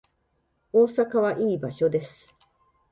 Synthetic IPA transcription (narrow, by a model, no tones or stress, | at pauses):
oːsakaβ̞aʔiːbaɕo̞d̪e̞sɨ̥